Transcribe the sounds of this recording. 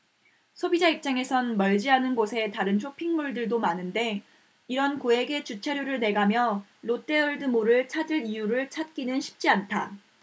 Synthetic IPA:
sʰobid͡ʑaip̚t͡ɕ͈aŋe̞sʰʌnmʌɭd͡ʑiɦanɯnɡosʰe̞taɾɯnɕʰopʰiŋmuɭdɯɭdomanɯnde̞ | iɾʌnkoe̞ɡe̞t͡ɕut͡ɕʰaɾjoɾɯɭne̞ɡamjʌlot͈e̞ʌɭdɯmoɾɯɭt͡ɕʰad͡ʑɯɾijuɾɯɭt͡ɕʰat̚k͈inɯnɕʰi̥p̚t͡ɕ͈iantʰa

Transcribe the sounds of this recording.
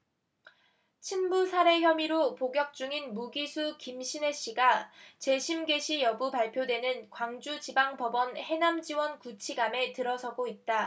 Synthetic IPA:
t͡ɕʰinbusʰaɾe̞çjʌmiɾopoɡjʌk̚t͡ɕ͈uŋinmuɡisʰukimɕʰine̞ɕ͈iɡat͡ɕe̞ɕʰimɡe̞ɕʰijʌbupaɭpʰjodwe̞nɯnkwaŋd͡ʑut͡ɕibaŋbʌbʌnhe̞namd͡ʑiwʌnkut͡ɕʰiɡame̞tɯɾʌsʰʌɡoit̚t͈a

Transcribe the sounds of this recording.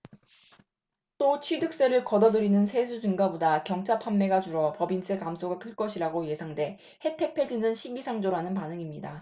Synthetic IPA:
t͈ot͡ɕʰɥidɯk̚s͈e̞ɾɯɭkʌdʌdɯɾinɯnsʰe̞sʰud͡ʑɯŋɡabodakjʌŋt͡ɕʰapʰamːe̞ɡad͡ʑuɾʌpʌbinsʰekamsʰoɡakʰɯɭk͈ʌɕʰiɾaɡoje̞sʰaŋde̞ | he̞tʰe̞k̚pʰe̞d͡ʑinɯnɕʰiɡisʰaŋd͡ʑoɾanɯnpanɯŋimɲida

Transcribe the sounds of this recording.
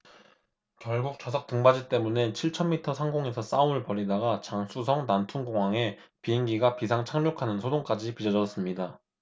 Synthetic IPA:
kjʌɭɡuk̚t͡ɕʌsʰʌk̚t͈ɯŋbad͡ʑit͈e̞mune̞t͡ɕʰiɭt͡ɕʰʌnːitʰʌsʰaŋɡoŋe̞sʰʌs͈aumɯɭpʌɾidaɡat͡ɕaŋsʰusʰʌŋnantʰuŋɡoŋwaŋe̞ | piːŋɡiɡapisʰaŋt͡ɕʰaŋɲokʰanɯnsʰodoŋk͈ad͡ʑipid͡ʑʌd͡ʑʌs͈ɯmɲida

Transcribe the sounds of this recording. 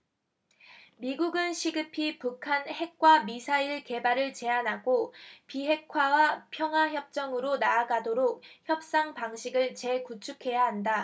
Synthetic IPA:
miɡuɡɯnɕʰiɡɯpʰipukʰanhe̞k̚k͈wamisʰaiɭke̞baɾɯɭt͡ɕe̞anɦaɡopiɦe̞kʰwawapʰjʌŋɦwaçjʌp̚t͡ɕ͈ʌŋɯɾonaːɡadoɾok̚çjʌp̚s͈aŋpaŋɕʰiɡɯɭt͡ɕe̞kut͡ɕʰukʰe̞jaɦanda

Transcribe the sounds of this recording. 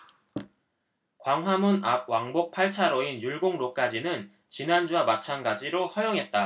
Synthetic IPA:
kwaŋɦwamunap̚waŋbok̚pʰaɭt͡ɕʰaɾoinjuɭɡoŋɾok͈ad͡ʑinɯn | t͡ɕinand͡ʑuamat͡ɕʰanɡad͡ʑiɾohʌjʌŋɦe̞t̚t͈a

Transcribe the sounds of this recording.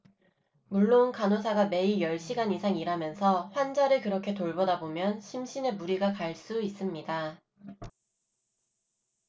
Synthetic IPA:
muɭːonkanosʰaɡame̞ijʌɭɕ͈ʰiɡanisʰaŋiɾamjʌnsʰʌɸwand͡ʑaɾɯɭkɯɾʌkʰe̞toɭbʌdabomjʌnɕʰimɕʰine̞muɾiɡakaɭs͈uis͈ɯmɲida

